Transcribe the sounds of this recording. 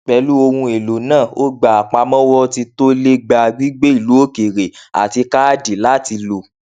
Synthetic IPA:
k͡pɛ˧lu˦o˧hũ˧e˨lo˨nãː˦˨o˦ɡ͡ba˨a˨k͡pa˧mɔ̃˦wɔ˦ti˧to˦le˦ɡ͡ba˧ɡ͡bi˦ɡ͡be˦i˦˨lu˨˦o˦ke˨ɾe˨a̰˨ti˧ka˦a˦di˨la˨˦ti˧lo˨

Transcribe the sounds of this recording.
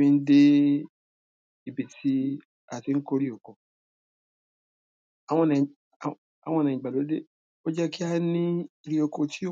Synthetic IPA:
ĩ˧n̩˦de˦ | i˨bi˧ti˦ | a˨ti˧ŋ̩˦ko˦ɾi˦o˨ko˨ | a˨w̃ɔ̃˧nɛ̃˨ | a̰˨w̃ɔ̃˧nɛ̃˨ĩ˨ɡ͡ba˨lo˨˦de˦ | o˦d͡ʒɛ˦ki˦a˦nĩ˦i˧ɾi˦o˧ko˧ti˦˨

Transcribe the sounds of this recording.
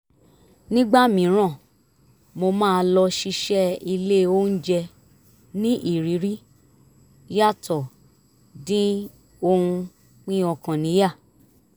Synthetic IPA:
nĩ˦ɡ͡ba˦mĩ˨˦ɾ̃ã˦˨ | mo˧mãː˦˧lɔ˧ʃi˧ʃɛ˦i˧le˦˨o˦n̩˦d͡ʒɛ˧ | nĩ˦ʔi˦˨ɾi˨˦ɾi˦ | ja˦˨tʰɔ˨ | dĩ˦ | o˧hũ˧ | k͡pĩ˦ɔ˧kã˨nĩ˨˦ja˦˨

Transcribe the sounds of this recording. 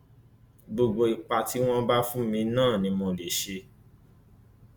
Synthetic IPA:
ɡ͡bo˧ɡ͡bo˧i˨k͡pa˧ti˨˦w̃ɔ̃˦ba˦fũ˦mĩ˧nãː˦˨nĩ˧mõ˧le˨ʃe˧

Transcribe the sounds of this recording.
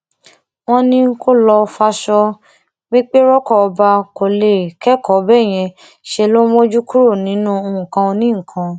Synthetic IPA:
w̃ɔ̃˦nĩ˦ko˦lɔ˧fa˧ʃɔ˧ | wĩ˦k͡pe˦ɾɔ˦kɔ˦˨ɔ˧ba˧ko˨le˨kɛ˦kɔ˨˦bɛ˦˨j̃ɛ̃˧ | ʃe˧lo˦mo˦d͡ʒu˦ku˦ɾo˦˨nĩ˨˦nũ˦o˧ũ˨kã˧o˧nĩ˦ŋ̩˨kʰã˧

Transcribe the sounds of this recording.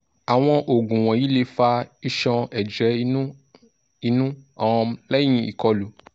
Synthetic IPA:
a˨w̃ɔ̃˧ʔo˨ɡũ˨w̃ɔ̃˨ji˦le˧fa˧i˦ʃɔ̃˧ɛ˨d͡ʒɛ˨˦ | i˧nũ˦ã˨ɔ̃˧lɛ̃˦ĩ˧i˨kɔ˧lu˨˦

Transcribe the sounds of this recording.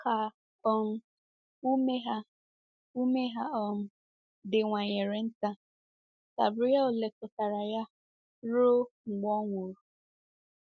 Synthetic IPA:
kʰa˨ | ɔ˦m̩˦ | u˦me˦ɦa˦ | u˦me˦ɦa˦ɔ˨m̩˦ | dɪ˨ŋʷa˨ɲe˨ɾe˨n̩˦ta˦ | ka̰˨bʊ˦ja˦ʊ˨le˨kʊ˨ta˨ɾa˨ja˦ | ɾo˦ŋ͡m̩˨ɡ͡bɔ˦ŋʷo˨ɾu˨

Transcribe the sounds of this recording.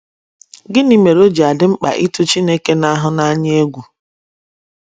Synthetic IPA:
ɡɪ˦ni˨me˨ɾo˦d͡ʒa˨dɪ˦ŋ͡m̩˦k͡pa̰˨ʔi˦tʊ˦t͡ʃi˦ne˦ke˦na˦ɦʊ˦na˦ɲ˦e˦ɡʷu˨

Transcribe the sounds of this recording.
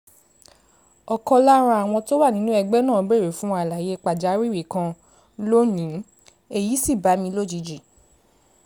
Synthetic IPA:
ɔ˨kɔ˧la˦ɾ̃ã˧a˨w̃ɔ̃˧to˦wa˦˨nĩ˦nũ˦ɛ˧ɡ͡bɛ˦nãː˦˨˧be˦˨ɾe˨fũ˦˧a˨la˨je˨˦k͡pa˨d͡ʒa˨˦ɾi˦ɾi˨kã˧ | lo˦nĩ˨˦ | e˦˨ji˨˦si˦˨ba˨˦mĩ˧lo˦˨d͡ʒi˨˧˨d͡ʒi˨

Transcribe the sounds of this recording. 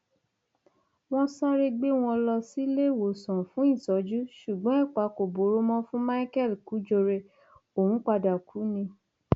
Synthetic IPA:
w̃ɔ̃˦sa˦ɾe˧ɡ͡be˦w̃ɔ̃˧lɔ˧si˦le˦˨wo˨sɔ̃˨fũ˦ĩ˦˨sɔ˨˦d͡ʒu˦ʃu˨ɡ͡bɔ̃˨˦ɛ˦˨k͡pa˨˦ko˨bo˨˦ɾo˦mɔ̃˦fũ˦ma˦i˦kɛ˦˨lku˨˦d͡ʒo˧ɾe˧ | o˨wũ˨˦k͡pa˧da˨ku˨˦nĩ˧

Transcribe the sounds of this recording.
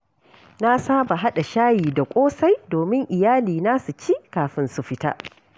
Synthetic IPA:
na˦saː˦ba˨ɦa˦ɗa˨ʃaː˦jiː˨da˨kʷʼoː˦sa˦jdoː˨mɪ˦ŋʔɪ˨jaː˦liː˨naː˦su˨t͡ʃi˦kaː˨ɸɪ˦nsu˨ɸɪ˦ta̰ː˦ʔ

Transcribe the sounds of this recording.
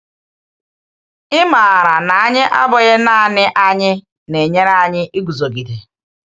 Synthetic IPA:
ɪ˦ma˨ɾa˨na˨a˦ɲɪ˦ʔa˦bʊ˨ɣɪ˦na˦˨nɪ˦ʔa˦ɲɪ˦ | ne˨ɲe˦ɾa˦a˦˨ɲɪ˦ʔi˦ɡu˨zo˨ɡi˨de˨

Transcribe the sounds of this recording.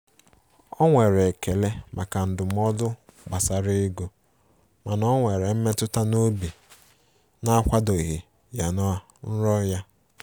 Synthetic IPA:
ɔ˦ŋʷe˨ɾe˨ke˨le˦mʔa˨ka˨n̩˨dʊ˨m̩˦ɔ˦dʊ˦ɡ͡ba˨sa˨ɾɪ˦ɡo˨ | ma˨nɔ˦ŋʷe˨ɾe˨m̩˦me˦tʊ˦ta˦no˦bi˨ | na˦kʷa˦do˨i˨ɦi˨ | ja˨nɔ˦a˨n̩˦ɾɔ˦ja˦

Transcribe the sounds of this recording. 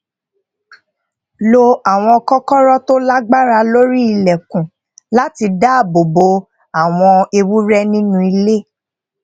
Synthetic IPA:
lo˧a˨w̃ɔ̃˧ɔ˧kɔ˦kɔ˦ɾɔ˦to˦la˦ɡ͡ba˦ɾa˧lo˦ɾi˦i˧lɛ˨kũ˨ | la˨˦ti˧da˦˨bo˨bo˨˦ | a˨w̃ɔ̃˧e˧wu˦ɾɛ˦nĩ˦nũ˦i˧le˦

